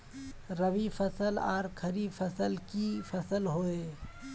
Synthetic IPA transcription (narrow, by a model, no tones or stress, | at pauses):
ɾəʋifʰɐsəla̰ːɾkʰəɾifʰɐsəlkifʰɐsəlɦoeː